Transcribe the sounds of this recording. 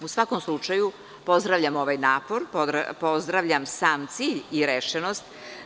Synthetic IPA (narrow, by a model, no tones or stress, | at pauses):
usʋakomslˠut͡ʂaju | po̞zd̪ɾaʋʎʲamo̞ʋajnaːpoɾpoɾ̰po̞zd̪ɾaʋʎamsaːmt̪siːʎiɾeʃenost̪